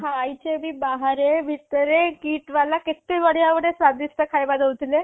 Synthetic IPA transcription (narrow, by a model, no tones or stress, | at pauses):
ɦãajt͡ɕemiːbaɦaɾebʱit̪əɾekiːʈʋalaket̪eʋəɽjaʋəɽesʋad̪ist̪əkʰajbad̪əut̪le